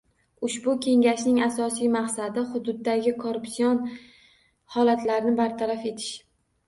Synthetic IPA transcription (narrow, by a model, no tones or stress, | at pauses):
ʊʃbʊkʲʰe̞ŋʲaʃnɪŋasɒsijmaqsad̪ɪχʊd̪ʊd̪ːaɡʲɪkʰoɾʊpsijon | hɒlat̪laɾɪnɪbaɾt̪ʰaɾafe̞t̪ʰɪ̥ʃ